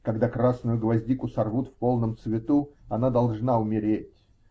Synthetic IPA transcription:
kɐɡd̪akɾasnʊjʊɡlˠɐzʲdʲikʊsɐrvut̪fpolˠnəmt̪svʲɪt̪uɐnad̪ɐlˠʐnaʊmʲɪɾʲetʲ

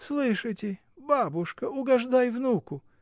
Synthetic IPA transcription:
slˠɨʂɨtʲɪ | babʊʂkəʊɡɐʐd̪ajvnukʊ

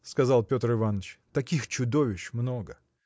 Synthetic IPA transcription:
skɐzɑlˠpʲo̞t̪rɨvanːət͡ɕt̪ɐkʲixt͡ɕʊd̪o̞vʲɪɕmno̞ɡə

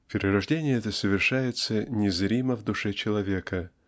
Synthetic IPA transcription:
pʲɪɾʲɪɾɐʐdʲenʲɪjəɛt̪əsəvʲɪrʂajɪt̪sənʲɪzɾʲiməvd̪ʊʂɛt͡ɕɪlˠɐvʲekə

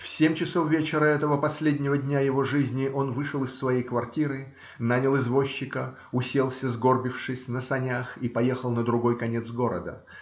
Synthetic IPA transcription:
fsʲemʲt͡ɕɪso̞fvʲet͡ɕɪɾəɛt̪əvəpɐsʲlʲedʲnʲɪvədʲnʲajɪvo̞ʐɨzʲnʲɪʔo̞nvɨʂəlˠɨsːvɐjejkvɐrtʲiɾɨ | nanʲəlˠɪzvo̞ɕːɪkə | ʊsʲe̞lˠsʲəzɡo̞rbʲɪfʂɨsʲnəsɐnʲaxipɐje̞xəlˠnəd̪ɾʊɡo̞jkɐnʲet̪sɡo̞ɾə̰d̪ə̰

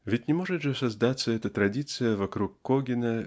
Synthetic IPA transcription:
vʲɪtʲnʲɪmoʐɨt̪ʐɨsɐzd̪at̪sːəɛt̪ət̪ɾɐdʲit̪sɨjəvɐkɾukːoɡʲɪnə

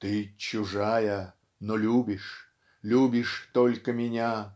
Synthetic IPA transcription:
t̪ɨt͡ɕʊʐajə | nolʲubʲɪʂ | lʲubʲɪʂt̪olʲkəmʲɪnʲa

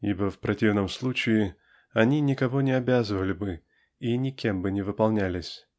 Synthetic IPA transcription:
ibəfpɾɐtʲivnəmslˠut͡ɕɪɪ | ɐnʲinʲɪkɐvo̞nʲɪɐbʲazəvəlʲɪbɨ | inʲɪkʲembɨnʲɪvɨpɐlˠnʲælʲɪsʲ

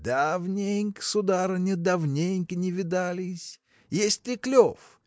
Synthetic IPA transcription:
d̪avnʲejŋʲksʊd̪aɾɨnʲɪd̪avnʲejŋʲkʲɪnʲɪvʲɪd̪alʲɪsʲ | jesʲt̪ʲɪklʲof

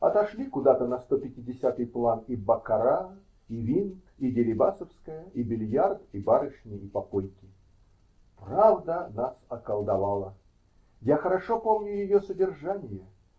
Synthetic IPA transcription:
ɐt̪ɐʂlʲikʊd̪at̪ənɐst̪opʲɪtʲɪdʲɪsʲat̪ɨjplˠanibɐkɐɾa | ivʲinkidʲɪɾʲɪbasəfskəjəʔibʲɪlʲjart̪ibaɾɨʂnʲɪːpɐpolʲkʲɪ | pravd̪ənasɐkəlˠd̪ɐvalˠə | jaxəɾɐʂo̞po̞mnʲʊjɪjosədʲɪrʐanʲɪjə

